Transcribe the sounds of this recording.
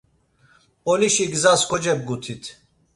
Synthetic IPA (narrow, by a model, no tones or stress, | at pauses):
ɔliʃiɡzaskʰɔd͡ʒɛb̚ɡut̪ʰit̪ʰ